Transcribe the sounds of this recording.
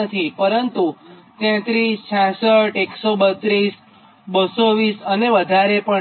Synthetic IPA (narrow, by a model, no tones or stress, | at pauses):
ət̪ʰipəɾənt̪ut̪ɛ̃t̪ɾist͡ʃʰãsəʈeksobət̪ɾis | bəsoʋisəneʋəd̪ʱaɾepə